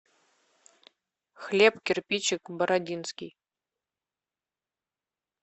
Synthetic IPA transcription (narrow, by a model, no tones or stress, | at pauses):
xlʲepkʲerpʲit͡ɕɪkbə̆ɾadʲinskʲij